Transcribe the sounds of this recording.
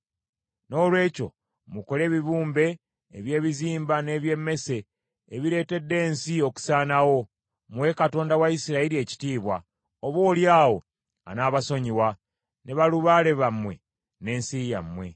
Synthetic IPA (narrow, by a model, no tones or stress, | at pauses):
no̞ːlwe̞ːco̞ | muko̞le̞ːβiβuːmbe̞ː | βje̞ːβiziːmbane̞ːβje̞mːe̞se̞ː | βiɾe̞ːte̞dːe̞ːnsio̞ku̥saːnawo̞ | muwe̞kato̞ːndawaisiɾailie̞ci̥tiːβwa | oβwo̞ːljaːwo̞ | a̰naːβaso̞ɲiwa | neβaluβaːle̞βamwe̞ | ne̞ːnsija̰mwe̞